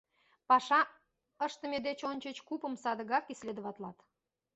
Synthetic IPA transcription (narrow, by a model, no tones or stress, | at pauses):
pɑʃɑ | əʃt̪əmed̪et͡ɕonʲt͡ɕət͡ɕkupəmsɑd̪əɣɑkislʲed̪əβɑt̪lɑt̪